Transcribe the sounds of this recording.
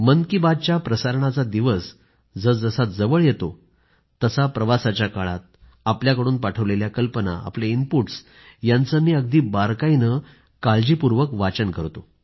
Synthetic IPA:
mənkibad̪̚t͡ɕjapɾəsaɾɳ̃at͡sad̪iʋəs | d͡zəd͡zəsat̪̚d͡zəʋəɭjet̪o | t̪əsapɾəʋasat͡ɕjakaɭat̪̚ | apljakəɽuːnpaʈʰəʋleljakəlpəna̰a̰plainpuʈs | jant͡səmiːəɡ̚d̪iːbaɾkainə | kald͡ʑiːpuɾʋəkʋat͡ɕəɳkəɾt̪o

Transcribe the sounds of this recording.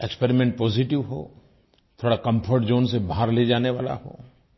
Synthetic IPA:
ɛkspɛːɾimɛ̃ɳʈ̚pɔːziʈɪʋɦo̰ː | t̪ʰoːɽakɐ̃mpʰəɾʈd͡ʒoːnsebʱaaɾled͡ʒaːneʋaːla̰ɦo̰ː

